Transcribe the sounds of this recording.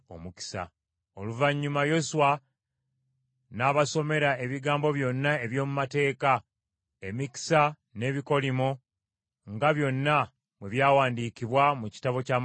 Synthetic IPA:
o̰muki̥sa̰ | oluvaɲːumajo̞suwa | naːβaso̞me̞ɾae̞βiɡaːmbo̞βjo̞nːae̞βjo̞ːmumate̞ːka | emiki̥sa | ne̞ːβiko̞limo | ŋɡaβjo̞nːa | mwe̞βjaːwaːndiːciβwamuci̥taβo̞caːm

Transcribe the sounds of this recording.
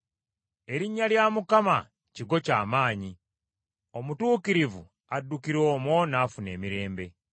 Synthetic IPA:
e̞ɾiɲːaljaːmukama | ciɡo̞caːmaːɲi | o̞mutuːkiɾivu | adːukiɾo̞ːmwo̞naːfune̞ːmiɾe̞ːmbe̞

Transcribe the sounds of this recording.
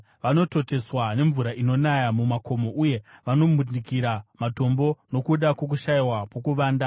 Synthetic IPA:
ʋano̞to̞te̞swane̞ɱvuɾaʔino̞najamumako̞mo̞ʔuje̞ʋano̞munikiɾamato̞mbo̞no̞kuɗakok̬uʃaiwapokuʋaːnda

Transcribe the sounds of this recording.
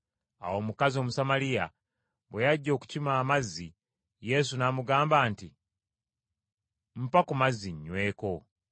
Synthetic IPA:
a̰wo̞ːmukazio̞ːmusamalija | βwejaɟːo̞ːku̥cimaːmazːi | je̞s̬unamuɡaːmbaːnti | m̩pakumazːiɲːwe̞ːko̞

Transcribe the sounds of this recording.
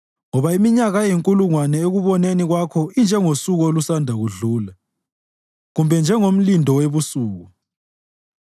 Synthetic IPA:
ŋɔβaimiɲaɣajeŋkʼuluŋwanɛeɣuβɔneniɣwakʰɔind͡ʒʱɛŋosuɣɔolusandʱaɣuɮuːla | ɣumbʱɛnd͡ʒʱɛŋom̩lindʱɔweβusuːɣu

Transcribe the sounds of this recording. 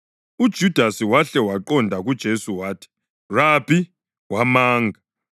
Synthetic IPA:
ud̥ʒ̥ʱud̥ʱasiwaɬɛwaǃɔndʱaɣud̥ʒ̥ʱesuwaːtʰi̥ | rapʰi | wamaːŋɡʱa

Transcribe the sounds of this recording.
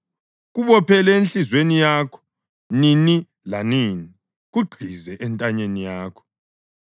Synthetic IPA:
ɣuβɔpʰɛlɛenɬizwenijaːkʰɔ̥ | nini | laniːni | ɣuɡ͡ǃʱizɛʔɛntʼaɲenijaːkʰɔ̥

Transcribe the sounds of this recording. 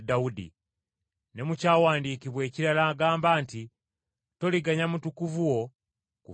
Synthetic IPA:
daudḭ | ne̞mucaːwaːndiːkiβwe̞ːciɾalaːɡaːmbaːnti | to̞liɡaɲamutukuvuwo̞ | ku

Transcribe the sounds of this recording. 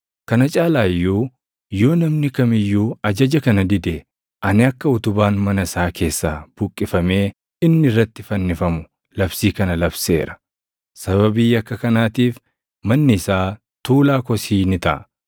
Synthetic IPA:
kɐnɐt͡ʃʼaːlaːjːuː | jo̞ːnɐmnɪkɐmɪjːuːɐd͡ʒɐd͡ʒɐkɐnɐd̪ɪd̪e | ʔɐnɪɐkːɐʊt̪ʊbaːnmɐnɐɪsaːkʰe̞ːsːaːb̥ʊkʼːɪfɐme̞ː | ɪnːɪɪrːɐt̪ːɪfɐnːɪfɐmʊ | lɐbsiːkɐnɐlɐbse̞̰ːɾɐ̥ | sɐβɐbiːjɐkːɐkɐnaːt̪iːf | mɐnːɪɪsaː | t̪uːlaːkɔsiːnɪt̪ɐ̰ʔɐ

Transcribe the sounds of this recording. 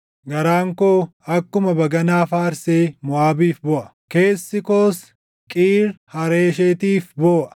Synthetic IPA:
ɡɐɾaːŋkoːɐkːʊmɐbɐɡɐnaːfaːɾseːmʊaːbiːfbɔʔɐ̥ | ke̞ːsːɪkoːs | kʼiːɾhɐɾeːʃet̪iːfbɔːʔɐ̥

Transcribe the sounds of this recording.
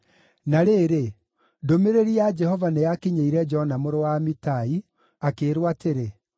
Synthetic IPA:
naɾeːɾe | domeɾeɾiad͡ʒɛɦɔvanejakiɲeiɾɛd͡ʒɔnamoɾowamitai | akeːɾwateɾe

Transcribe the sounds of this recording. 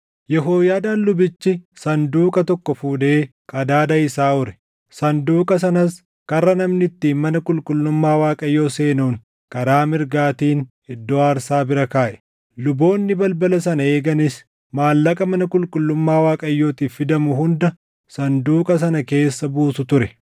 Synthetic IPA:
jɛɦoːjaːd̪aːnlʊbɪt͡ʃːɪsɐnd̪uːkʼɐt̪ɔkːɔfuːd̪e̞ːkʼɐd̪aːd̪ɐɪsaːʊɾɛ̥ | sɐnd̪uːkʼɐs̬ɐnɐs | kɐrːɐnɐmnɪt̪ːiːnmɐnɐkʼʊlkʼʊlːʊmːaːwaːkʼɐjːo̞ːse̞ːnuːŋ | kʼɐɾaːmɪɾɡaːt̪iːn | ɪd̪ːoːaːɾsaːbɪɾɐkaːʔɛ̥ | lʊbo̞ːnːɪbɐlbɐlɐsɐnɐe̞ːɡɐnɪs | maːlːɐkʼɐmɐnɐkʼʊlkʼʊlːʊmːaːwaːkʼɐjːo̞ːt̪iːffɪd̪ɐmʊɦʊnd̪ɐ | sɐnd̪uːkʼɐs̬ɐnɐke̞ːsːɐbuːsʊt̪ʊɾɛ

